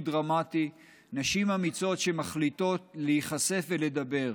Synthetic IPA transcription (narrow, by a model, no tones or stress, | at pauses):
dʁamati | naʃimhamit͡so̞tʃe̞maχlit̪o̞tlehiχase̞fvele̞d̪abe̞ʁ